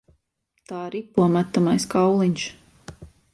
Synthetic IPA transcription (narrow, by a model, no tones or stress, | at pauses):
t̪aːiɾipːuɔmæt̪ːamajskawlˠiɲʲʃ